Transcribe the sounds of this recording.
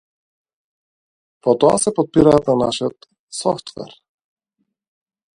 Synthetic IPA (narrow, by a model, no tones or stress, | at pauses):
pɔt̪ɔa̰sɛpot̪̚piɾaːt̪nanaʃiət̪ | sɔft̪vɛ̰ɾ